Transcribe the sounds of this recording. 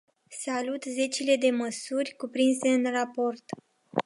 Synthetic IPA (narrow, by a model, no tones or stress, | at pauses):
salut̪ze̞t͡ʃile̞d̪e̞məsurʲkupɾinse̞ɨnrapo̞rt̪